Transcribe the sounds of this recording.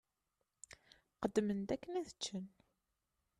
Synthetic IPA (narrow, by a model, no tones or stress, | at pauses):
qəd̪ːmənt̪ækːəniðət͡ʃːən